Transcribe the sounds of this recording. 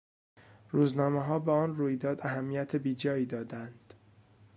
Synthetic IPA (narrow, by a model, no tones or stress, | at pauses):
ɾuːznɒːmeɦɒːbeɒːnruːjd̪ɒːd̪æɦæmːijæt̪ʰebiːd͡ʒɒːiːd̪ɒːd̪ænd̪̥